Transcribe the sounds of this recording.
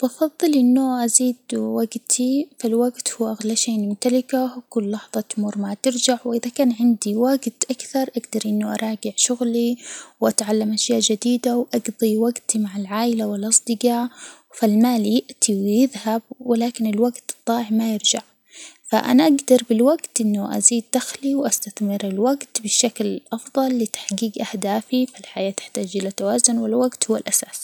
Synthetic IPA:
bʔɑfɑðˤːɨlʔɪnːʊʔaziːd̪waɡt̪ʰifalwaɡt̪huːʔaɣlaʃeːmʊmt̪alɪkakʊlːɑħðˤɑt̪ʊmuːɾmat̪ɪɾd͡ʒaʕwʔɪðakaːnʕɪnd̪iwaɡt̪ʔakθɑɾˤʔaɡd̪ɑɾˤʔɪnːʊʔɑ̰ɾˤɑːɡɪʕʃʊɣliwʔat̪ʕalːamʔaʃjaːʔd͡ʒad̪iːd̪awʔɑɡðˤiwaɡt̪imaʕɪlʕaːʔɪlawɪlʔɑsˤd̪ɪɡɑ | falmaːljɪʔt̪ʰiwjɪðhab̚wɪlaːkɪnɪlwaɡt̪t̪ˤːɑːʕmajɪɾd͡ʒaʕ | fa̰ʔa̰naʔaɡd̪ɑɾˤbɪlwaɡt̪ʔɪnːʊʔa̰ziːd̪̚ːaxliwʔast̪aθmɪɾɪlwaɡt̪bɪʃːaklʔɑfðˤɑlːɪt̪ḁħɡiːɡʔahd̪aːfifalħajaːt̪ɪ̥ħt̪aːd͡ʒʔɪlat̪awaːzʊnwɪlwaɡt̪huwːalʔasaːs

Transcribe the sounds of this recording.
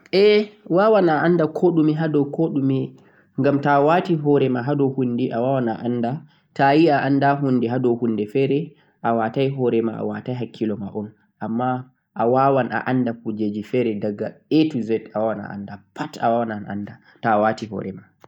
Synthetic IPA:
ʔɛwaːwanaʔandakʰoɗumiɦadɔwkʰoɗumi | ŋɡamtawatiɦɔɾɛmaɦadɔhundiʔawawana̰ʔanda | tajiaʔandaɦundiɦadɔhundɛfɛːɾɛ | ʔawatajɦɔɾɛma̰ʔa̰watajɦakʰːilɔmaʔɔn | ʔamːa | ʔawawanʔa̰ʔandapud͡ʒed͡ʒifɛɾɛdaɡːaetuzɛtawawana̰ʔa̰ndapʰata̰wawananʔa̰nda | tawatiɦɔ̰ːɾɛma

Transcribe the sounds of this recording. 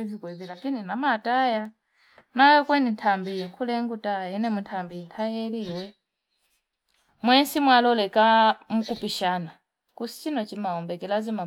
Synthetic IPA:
zikwɛðilakininamataja | najɔkwɛnintʰambijɛkʰulɛŋɡutajaɛnɛmuntʰambintʰajɛliwɛ | mwɛnsimwalɔlɛkamukupiʃana | kusi̥t͡ʃinɔt͡ʃimaɔmbɛkɛlazima

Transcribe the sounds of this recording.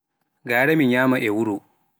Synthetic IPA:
ɡaːɽɐmɪɲjaːmɐʔewʊɽuʔ

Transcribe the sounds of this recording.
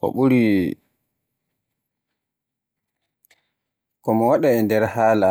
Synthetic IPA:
kɔ̰ɓuɾi | kɔmɔwaɗaɛndɛɾhaːla

